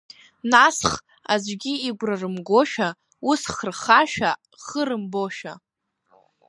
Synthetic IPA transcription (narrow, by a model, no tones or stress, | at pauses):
nasχ | azʷɡʲiiɡʷrarɨmɡo̞ʃᶣa | usχərχaʃᶣa | χəɾɨmbo̞ʃᶣa